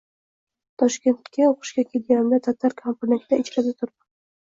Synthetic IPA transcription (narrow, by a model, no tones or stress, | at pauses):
t̪ʰɒʃkʲe̞nt̪kʲʰːaoqʰɨ̥ʃkʲakʲʰelɡʲanɪd̪at̪ʰat̪ʰːaɾkʰamponent̪d̪aɪt͡ʃɾasɪt̪ʰʊɾp